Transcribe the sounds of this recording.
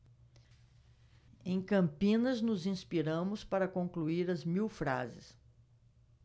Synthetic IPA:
ẽj̃kɐ̃mpĩnɐznʊzĩspiɾɐ̃mʊspaɾɐkõŋkluiɾɐzmiwfɾa̰zɪs

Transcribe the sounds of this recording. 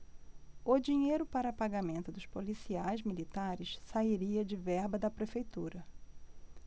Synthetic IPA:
ʊd͡ʒiɲejɾʊpaɾɐːpaɡamẽnt̪ʊd̪ʊʃpolisiajzmilit̪aɾɪssaiɾiɐd͡ʒɪvɛɾbɐd̪ɐpɾefejt̪uɾɐ

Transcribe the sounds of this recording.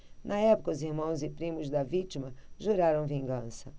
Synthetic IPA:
nʔɐɛpʊkɐʊziɾmɐ̃w̃zɪpɾĩmʊzd̪ɐvit͡ʃimɐʒuɾaɾɐ̃w̃vĩŋɡɐ̃sɐ

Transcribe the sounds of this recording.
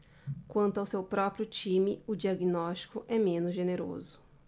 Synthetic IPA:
kwɐ̃nt̪ʊawsewpɾɔpɾijʊt͡ʃĩmɪʊd͡ʒiaɡinɔst͡ʃi̥kʊʔɛmẽnʊzʒeneɾo̰zʊ

